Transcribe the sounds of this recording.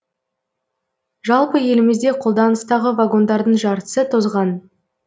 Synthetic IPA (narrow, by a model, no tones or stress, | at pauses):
ʒɑlˠpəje̞lɪmɪzd̪e̞qʰo̞lˠd̪ɑnəst̪ɑʁəvaɡo̞nd̪ɑɾd̪əɴʒɑɾt̪ə̥sət̪ʰozʁɑn